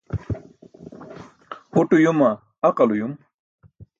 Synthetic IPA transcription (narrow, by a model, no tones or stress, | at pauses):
huʈujuma | aqalujum